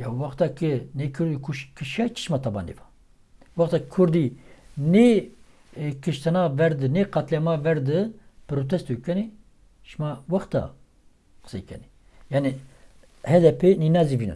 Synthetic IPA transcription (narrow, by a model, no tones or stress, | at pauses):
jawaxt̪akɨnekʰɨɾd̪ikʰuʃkʰɨʃat͡ʃʰi̥ʃmat̪ʰaba̰nḛva | waxt̪akʰuɾd̪ine | kʰɨʃt̪ʰanavɛɾd̪ɨneqat̪lʲamavɛɾd̪ɨpɨɾot̪ʰɛst̪ukɛni | ʃmawaxt̪a̰ | qə̥sḛkɛ̰ni | jaːni | hɛd̪ɛpʰeninazivinɨ̰n